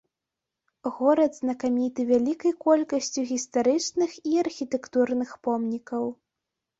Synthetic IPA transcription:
ɣɔɾɐd̪znɐkamʲit̪ɨvʲalʲikɐjkɔlʲkɐsʲt͡sʲuɣʲist̪aɾɨt͡ʂnɨxiɐrxʲit̪ɛkt̪urnɨxpɔmnʲikɐw

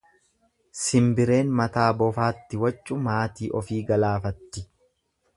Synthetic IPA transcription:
sɪmbɪɾe̞ːnmɐt̪aːbɔfaːt̪ːɪwɐt͡ʃʼːʊmaːt̪iːʔɔfiːɡɐlaːfɐt̪ːɪ

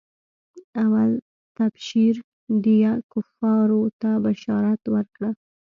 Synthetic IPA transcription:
awal | t̪abʃiɾ | d̪ijakʊfɑɾot̪abaʃɑɾat̪wəɾkɽa

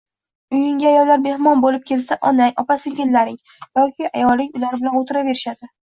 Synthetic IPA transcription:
ʊjɪŋʲaajɒlːaɾ̚be̞hmɒnbolɪp̚kʲʰe̞lsaʔɒnajɒpasɪɡʲɪnːaɾɪŋ | jɒkʲɪʔajɒlˠɪŋʊlaɾbɪlanot̪ʰɪɾave̞ɾɪʃad̪ɪ

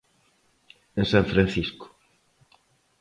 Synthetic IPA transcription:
ẽnsãɱfɾãnθiskʊ̥

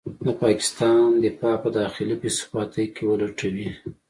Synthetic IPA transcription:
napɑkɪ̥st̪ɑnd̪əpɑpəd̪ɑxɪlipisfɑt̪əjkewəlaʈawi

